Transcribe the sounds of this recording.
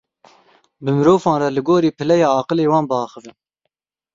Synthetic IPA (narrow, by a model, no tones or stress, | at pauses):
bɨmɨɾoːfɑ̃ːnrɛlɨɡoːɾiːpʰɨlɛjɑːɑːqɨleːwɑːnbəɑːxɨvɨn